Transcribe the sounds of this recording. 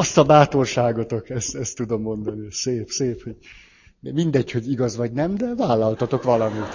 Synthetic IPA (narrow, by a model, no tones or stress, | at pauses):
ɒst̪ɒbaːt̪orʃaːɡot̪okɛst̪ɛst̪ːud̪o̞mːo̞nd̪ɒniseːpseːphoɟ | mind̪ɛcho̞ɟiɡɒzʋɒɟnɛmd̪ɛvaːlːɒlt̪ɒt̪o̞kʋɒlɒmit̪